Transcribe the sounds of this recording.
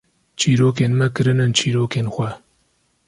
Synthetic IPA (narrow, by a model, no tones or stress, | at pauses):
t͡ʃʰiːɾoːk̬eːnmɐkɨɾɨnɨnt͡ʃʰiːɾoːkeːnxʷɐ